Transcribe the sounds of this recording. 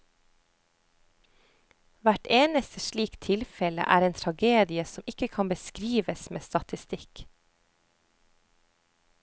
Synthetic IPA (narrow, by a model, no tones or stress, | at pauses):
ʋæʈeːnəst̪əʃɭiːkt̪ʰɪlfɛlə̰ʔæ̰ːɾeːnt̪ʰɾɑɡeːd̪ɪəsɔmɪkəkʰɑnbəskɾiːʋəsmḛːst̪ɑt̪ɪst̪ɪk